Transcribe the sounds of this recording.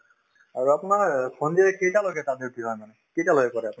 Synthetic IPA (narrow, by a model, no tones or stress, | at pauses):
aɹuapʊnaɹkʰɔndiɛkejtaloɡɛtadeɹbiɦɔjmanɛ | kejtaloɡɛkɔɹɛap